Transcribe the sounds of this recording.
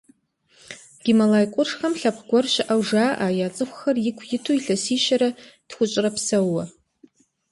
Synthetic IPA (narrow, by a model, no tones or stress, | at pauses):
ɡ̥ʲɪmalajqʷʼʊrʂχamɬapʰɡʷarʃʷaʔawʐaʔajat͡sʼɨxʷarɪkʷʰjɪtʰujɬasiʃaɾad̥χʷʊt͡ʃʷʼrapʰsawːa